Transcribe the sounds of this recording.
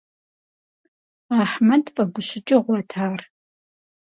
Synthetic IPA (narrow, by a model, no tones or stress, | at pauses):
aːħmɐdfɐɡʷʊɕɪt͡ʃʼɪʁʷɔtʰaːr